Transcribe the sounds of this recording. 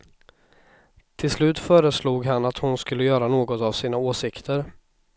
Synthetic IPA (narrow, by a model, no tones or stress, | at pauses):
t̪ʰɪlslʉ̟ːt̪fœːɾəsluːɡɦanat̪hʊnskɵlːəjœːɾanoːɡɔt̪avsiːnaoːsɪkt̪ʰəɾ